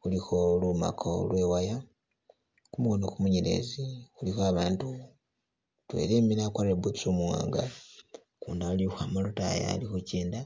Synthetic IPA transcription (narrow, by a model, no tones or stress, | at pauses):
xulixoluma̰kʰo̰lwe̞waja | kumuɣonokumuɲeɾḛzixulixoaβaːntu | twe̞̰leːminakaɾebusomuwa̰ːŋɡa | kuːndaulixwamaluta̰ja̰lixuceːnda